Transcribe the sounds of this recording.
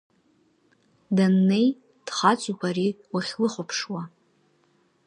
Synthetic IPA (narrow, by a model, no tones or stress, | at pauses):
danːe̞j | d̥χat͡sʷʼikʷʰaɾiwaχʲlɨχʷʊpʰʂwa